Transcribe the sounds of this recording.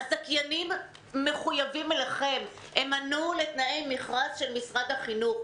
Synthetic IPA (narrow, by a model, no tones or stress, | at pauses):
azakjanimː | e̞χujavimelaχe̞m | emanulet̪naejmiχʁasʃelmisʁad̪haχinuχ